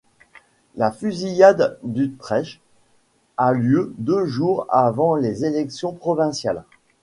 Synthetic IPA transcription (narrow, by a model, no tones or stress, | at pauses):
lafyzijad̪ːyt̪χɛʃ | aljød̪øʒuʁavɑ̃lezelɛksjɔ̃pχɔvɛ̃sjal